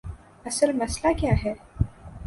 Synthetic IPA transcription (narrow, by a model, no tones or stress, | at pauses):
əsəlmɐslakjaːɦɛː